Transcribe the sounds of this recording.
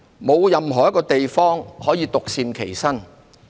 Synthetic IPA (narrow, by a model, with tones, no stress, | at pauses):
mo˨˧wjɐ˨mɦɔː˨˩jɐ˥kɔː˧t̪e˨jfɔː˥ŋhɔː˨˥jiː˨˧t̪ʊ˨k̚siː˨˧mkʰe˨˩jsɐ˥n